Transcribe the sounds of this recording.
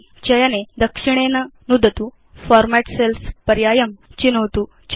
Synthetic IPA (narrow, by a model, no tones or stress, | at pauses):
t͡ɕɐjaned̪əkʂiɳ̃enanud̪ʱət̪u | fɔɾmæʈselspəɾjajəmt͡ɕinəwt̪u | t͡ɕ